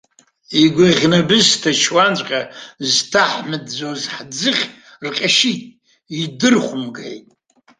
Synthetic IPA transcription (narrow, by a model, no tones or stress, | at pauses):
iɡʷaʁʲnabɨztʰat͡ʃʰwant͡ʃʷʼqʲʼaztʰaħmɨdd͡zozħd͡zɨχʲ | rqʲʼaʃitʼ | idɨrχʷʊmɡḛjtʼ